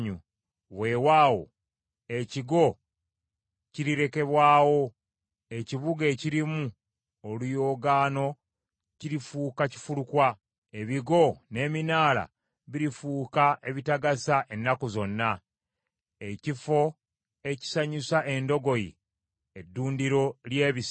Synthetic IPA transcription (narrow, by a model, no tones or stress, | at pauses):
ɲu | βe̞ːwaːwo̞̰ | e̞ciɡo̞ | ciɾiɾe̞ke̞βwaːwo̞ | e̞ciβuɡe̞ːciɾimu | olujo̞ːɡaːno̞ | ciɾifuːkaci̥fulukwa | eβiɡo̞ne̞ːminaːla̰ | βiɾifuːkae̞βitaɡasaʔe̞nːakozo̞nːa | e̞cifo̞ | e̞ci̥saɲisaʔe̞ndo̞ɡo̞jḭ | edːuːndiɾo̞lje̞ːβis